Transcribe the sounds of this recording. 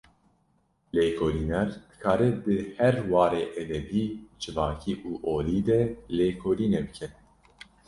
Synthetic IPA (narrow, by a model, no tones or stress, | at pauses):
leːkʰoliːnɛɾd̪̥ɨ̥kʰɑːɾɛd̪ɨhɛɾwɑːɾeːʔɛd̪ɛbiːd͡ʒɨvɑːkʰiːʔuːʔoːliːd̪ɛleːkʰoːliːnebɨkʰɛ